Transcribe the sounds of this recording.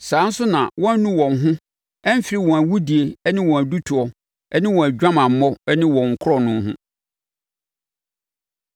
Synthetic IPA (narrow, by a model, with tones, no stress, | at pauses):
sãː˨˦n̩˦sʊ˦nã̰˨wɔ̃˦n˦nũ˦wɔ̃˨ŋ˦ɦʊ̃˦ | ɛ˦m̩˦fɪ˨ɾi˦wɔ̃˨æ˨wu˦di˨e˨ɛ˦nɪ̃˦wɔ̃˨æ˨du˦tʰʊ˨ɔ˨ | ɛ˦nɪ̃˦wɔ̃˨æ˨d͡ʑᶣã˦mã˨m̩˨˦mɔ˦ɛ˦nɪ̃˦wɔ̃˨ŋ̩˨kʰʊ˦ɾɔ˦nʊ̃˦ɦʊ̰̃˦